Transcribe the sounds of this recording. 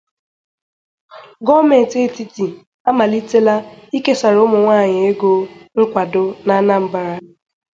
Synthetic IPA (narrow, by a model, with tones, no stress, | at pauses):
ɡɔ˦me˨n˨te˦˨ti˦ti˨ | a˦ma˨li˦te˦la˦i˦ke˦sa˨ɾʊ˦mʊ˨ŋʷaː˦˨ɲɪ˨e˦ɡo˦ŋ̩˦kʷa˨dʊ˦na˦na˦m̩˨ba˨ɾa˦